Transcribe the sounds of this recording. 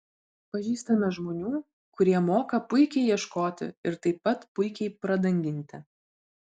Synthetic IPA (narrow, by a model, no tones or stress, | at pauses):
pɐʒʲiːst̪ɐmʲɛʒmoːnʲuː | kʊɾʲiɛmoːkɐpʊɪkʲɛɪjiɛʃkoːt̪ʲɪ̰ɪɾt̪ɐɪpːɐt̪pʊɪkʲɛɪpɾɐd̪ɐŋʲɡʲɪnʲt̪ʲɪ